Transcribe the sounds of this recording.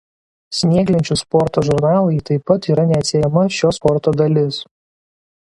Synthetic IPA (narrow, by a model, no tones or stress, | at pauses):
sʲnʲiːɡlʲɪnʲt͡ʃʲʊspɔɾt̪oːʒʊɾnɑːlˠɐɪt̪ɐɪpːɐt̪iːɾɐnʲɛɐt̪ʲsʲejɛmɐʃʲoːspɔɾt̪oːd̪ɐlʲɪs